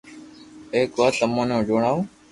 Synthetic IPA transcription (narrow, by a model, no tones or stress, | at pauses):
eːkʋaːsəmõːnõːd͡ʒoːɳaːũː